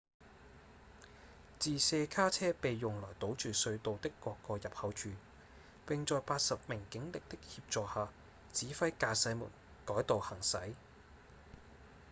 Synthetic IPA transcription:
t͡siː˨˩sɛː˧kʰaː˥t͡sʰɛː˥pe˨jːʊ˨ŋlɔː˨˩jt̪o˨˥wt͡ʃyː˨sɵ˧ɥt̪o˨wt̪ɪ˥kːɔː˧kːɔː˧jɐ˨p̚hɐ˨˥wt͡ʃʰyː˨ | pɪ˨ŋt͡sɔː˨˧jpaː˧t̚sɐ˨p̚mɪ˨˩ŋkɪ˨˥ŋlɪ˨k̚t̪ɪ˥k̚hiː˧p̚t͡sɔː˨haː˨ | t͡siː˨˥fɐ˥jkaː˧sɐ˨˥jmṵː˨˩n | kɔː˨˥jt̪o˨whɐ˨˩ŋsɐ̰˨˥j

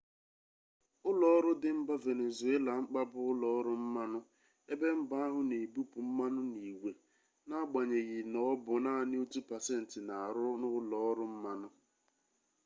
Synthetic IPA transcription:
ʊ˦lɔ˨ɔ˦ɾʊ˦dɪ˨m̩˦ba˦ve˨ne˨zu˨e˦la˨ŋ͡m̩˦k͡pa˦bʊ˦ʊ˦lɔ˨ɔ˦ɾʊ˦m̩˦ma˦nʊ˦ | e˦be˦m̩˦ba˦a˦ɦʊ˦ne˨bu˦pu˨m̩˦ma˦nʊ˦ni˨ɡʷe˨ | na˦ɡ͡ba˨ɲe˨ɣɪ˨nɔ˦bʊ˨naː˦˨nɪ˦u˦tu˦pa˨se˦n̩˨tɪ˨na˨a˨ɾʊ˦nʊ˦lɔ˨˦ɔ˦ɾʊ˦m̩˦ma˦nʊ˦

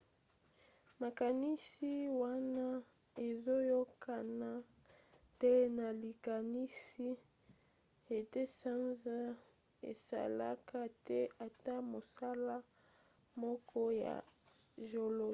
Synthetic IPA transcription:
ma˨ka˨ni˦si˦wa˦na˦ | e˨zo˦jo˦ka˨na˦ | tɛ˦na˨li˨ka˨ni˦si˦ | e˨te˦sa˦nza˦ | ḛ˨sa̰˨la̰˦ka˦tɛ˦a˨ta˦mo˨sa˦la˦ | mɔ˦kʰɔ˦ja̰˨ | ʒo˨lo˨

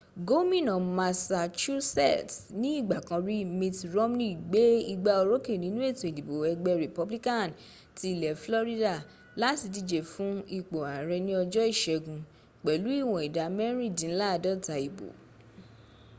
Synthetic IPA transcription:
ɡo˦mĩ˦˨nɔ̃˨ma˧sa˧t͡ʃu˦sɛ̰˦˨tnĩ˦i˦˨ɡ͡ba˨kã˧ɾi˦mĩ˧tɾo˦mnĩ˦˨ɡ͡be˦i˧ɡ͡ba˧o˧ɾo˦ke˦˨nĩ˨˦nũ˦e˦˨to˨e˨dĩ˨bo˨ɛ˧ɡ͡bɛ˧ɾe˨pɔ˧˦bli˦kã˦˨n | ti˦i˦˨lɛ˨flɔ˦ɾi˦da˨ | la˦ti˧di˧d͡ʒe˨fũ˨˦i˦˨k͡po˨a˨ɾɛ˧nĩ˦ɔ˧d͡ʒɔ˦i˦˨ʃɛ˧ɡũ˧ | k͡pɛ˨lu˨˦i˦˨wɔ̃˨i˨da˨mɛ˦ɾĩ˦˨dĩ˨˦la˦˧˨dɔ˦ta˧˨i˨bo̰˨

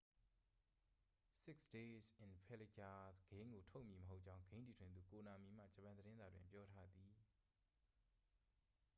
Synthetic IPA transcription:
sɪ˦ksde˦sɪ̃˨npʰɛ˦lɪ˨ka˨ɡ̥ẽ˦ɪ̃ŋɡo˨tʰo˦ʔmji˨məɦo˦ʔ̚t͡ɕã˦ʊ̃ɡẽ˦nti˨tʰwɪ̃˨d̪u˨ko˨na˨mi˨m̥a̰˦˨d͡ʑə˨pã˨nd̪əɾɪ̃˦nza̰˨dwɪ̰̃˨mpjɔ˦tʰa˦d̪i˨

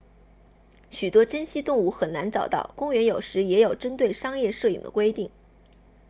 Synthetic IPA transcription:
ɕy˨˩t̪wɔ˥ʈ͡ʂə˥nɕi˥t̪ʊ˥˧ŋu˥˩xə˨˩nna˧˥nʈ͡ʂɑ˨˩ʊt̪ɑ̰˥˩ʊkʊ˥ŋɥɛ˧˥njo˨˩ʊʂɻ̩˧˥jɛ˧˥jo˨˩ʊʈ͡ʂə˥nt̪we˥˩ɪʂɑ˥ŋjɛ˥˧ʂɤ˥˩ḭ˨˩ŋd̪ə̰˦kwe˥ɪt̪i˥˩ŋ

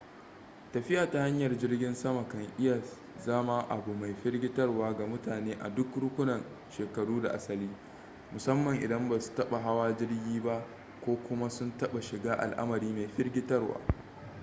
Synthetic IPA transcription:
tɐ˨ɸɪ˦ʔaː˨ta˨ha˦ɲjɐ˨rd͡ʒɪ˦rɡʲɪ˦nsɐ˦ma˨kɐ˨ŋʔɪ˦ja˨ | zɐ˦ma˦ʔa˨bu˨ma˨jɸɪ˦rɡʲɪ˦tɐ˦rwaː˦ɡa˨mʊ˦taː˨neː˦ʔa̰˨dʊ˦kɽʊ˦kʷʊ˦nɐ˨n | ʃeː˨kɐ˨ɽuː˦da˨ʔa˦sɐ˨liː˦ | mʊ˨sɐ˦mːɐ˨ŋʔɪ̰˨dɐ˦mba˨su̥˨tɐ˦ɓa˨ɦa˦waː˦d͡ʒɪ˦rɡʲiː˦ba˦ʔ | kʷoː˦kʷʊ˦ma˦sʊ˦ntɐ˦ɓa˨ʃɪ˨ɡaː˦ʔa̰˨lʔa̰˦mɐ˨ɾiː˦ma˨jɸɪ˦rɡʲɪ˦tɐ˦rwa̰ː˦

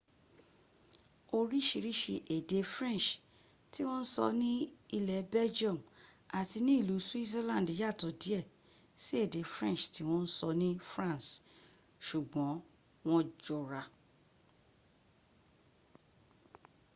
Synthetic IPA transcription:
o˧ɾi˦ʃi˧˨ɾi˦ʃi˧ʔe˨de˨˧fɾɛ̃˦˨ʃ | ti˦w̃ɔ̃˦n̩˦sɔ̰˧nĩ˦i˧lɛ˨˦bɛ˦d͡ʒɔ˦˨m | a˨ti˧nĩ˦˨lu˨˦su˦i˦t̬e˦lã˦˨di˨˦ja˦˨tɔ˨di˨˦ɛ˦˨ | si˦e˦˨de˨fɾɛ̃˦˨ʃti˧w̃ɔ̃˦n̩˦sɔ˧nĩ˦fɾã˦˨s | ʃu˨ɡ͡bɔ̃˨˦ | w̃ɔ̃˦d͡ʒɔ˨ɾa˨

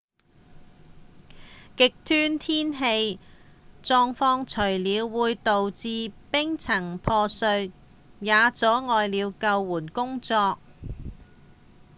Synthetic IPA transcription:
kɪ˨k̚t̪ʰyː˥nt̪ʰiː˥nɦe˧j | t͡sɔː˧ŋfɔː˧ŋt͡ʃʰɵ˨˩ɥliː˨˧wːuː˨˧jt̪o˨wt͡siː˧pɪ˥ŋt͡sʰɐ˨˩ŋpʰɔː˧sɵ˧ɥ | jaː˨˧t͡sɔː˨˥ŋɔː˨jliː˨˧wkɐ˧wːuː˨˩nkʊ˥ŋt͡sɔː˧k̚

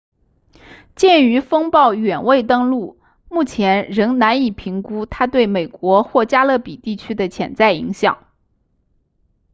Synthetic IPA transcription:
t͡ɕjɛ˥˩ny˧˥fɤ˥ŋpɑ˥˩ʊɥɛ˨˩nwe˥˧ɪt̪ɤ˥ŋlu˥˩ | mu˥˩t͡ɕʰjɛ˧˥nɻɤ˧˥ŋna˧˥ni˨˩pʰi˧˥ŋku˥t̪ʰa˥t̪we˥˩ɪme˨˩ɪkwɔ˧˥xwɔ˥˩t͡ɕja˥lɤ˥˩pi˨˩t̪i˥˩t͡ɕʰy˥d̪ə˨t͡ɕʰjɛ̰˨˧˩nt͡sa˥˩ɪi˧˥ŋɕjɑ̰˨˩˦ŋ

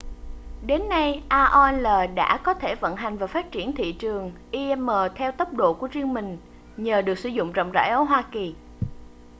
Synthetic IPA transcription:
ɗe˨˦nːa˧jʔaː˧ʔo˧ɛ˧nləː˨˩ɗa̰ː˧˥kɔ˨˦t̪ʰe˧˩və̰˧˨nɦa˨˩jŋ̟vaː˨˩wfaː˦˥t̚t͡ɕi˧˩ənt̪ʰḭ˧˨t͡ɕɨ˨˩əŋʔi˧ʔɛ˧mːəː˨˩t̪ʰɛ˧wt̪ə˦˥p̚ɗo̰˧˨ku˧˩əzi˧əŋmï˨˩ŋ̟ | ɲəː˨˩ɗɨ˨˩ək̚sɨ˧˩˦zʊ̰˧˨ŋ͡mzɔ̰˧˨wŋ͡mza̰ː˧˥˩jʔə˧˦ɦwaː˧ki˨˩

